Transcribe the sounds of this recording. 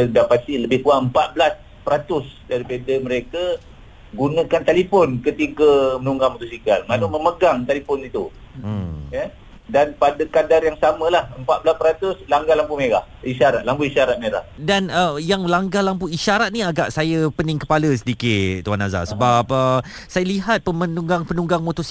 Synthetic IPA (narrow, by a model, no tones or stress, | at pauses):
dapat̪stiləbɪhkuaʔəmpat̪̚bəlas | pəɾat̪ʊsdaɾipadəməɾekə | ɡunə̃kant̪alifɔnkət̪iɡəmənuŋɡamut̪usikalmaluməməɡaŋt̪alifɔnit̪u | jə | danpadəkadaɾjaŋsamə̃lahəmpat̪̚bəlaspəɾat̪ʊslaŋɡalampumeɾa̰h | iʃaɾat̪̚lampuiʃaɾat̪̚meɾa̰hdanəjaŋlaŋɡalampuiʃaɾat̪̚nĩaɡaʔsajəpənɪŋkəpaləs̬ədikɪtt̪uanaza̰səbap̚ə | sajəliɦat̪̚pəmənuŋɡaŋpənũŋɡaŋmot̪ɔsi